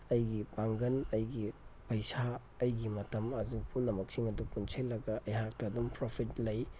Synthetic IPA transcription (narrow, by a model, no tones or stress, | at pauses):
ɐjɡipaŋɡɐnɐjɡipɐjsa | ɐjɡimɐtɐmɐzupʰunɐmɐk̚siŋɐdupunsʰelːɐɡɐʔɐjɦak̚tɐːdumpɾopʰitlɐj